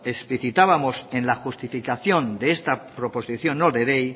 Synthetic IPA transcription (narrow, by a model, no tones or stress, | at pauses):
e̞spliθit̪aβamo̞sẽ̞nlaxust̪ifikaθjo̞nd̪eest̪apɾo̞posiθjõ̞noðeɾej